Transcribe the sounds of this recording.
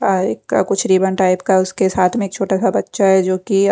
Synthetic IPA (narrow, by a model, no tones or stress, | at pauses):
eːka̰kʊt͡ʃʰɾiːbənʈaːɪpkaʊskesaːt̪ʰmẽeːk̚t͡ʃʰoːʈasabɐtːʃaɦɛd͡ʒoːki